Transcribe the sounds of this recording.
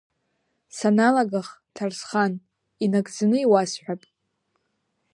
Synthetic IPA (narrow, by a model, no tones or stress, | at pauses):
sanalaɡaχtʰarsχan | inaɡʼd͡zanɨiwasħʷᶣapʼ